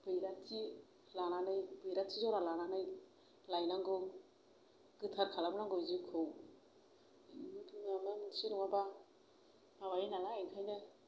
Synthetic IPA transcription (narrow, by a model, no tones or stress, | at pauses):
b̥ɯjɾatʰi | lananɯjbɯjɾatʰizɔɾalananɯj | lajnaŋɡɯŋ | ɡ̥ɯtʰaɾkʰalabnaŋɡɔjzikʰɯw | mibʰimamemɯsiɾuŋaba | maβajinaŋaajkʰajnɯ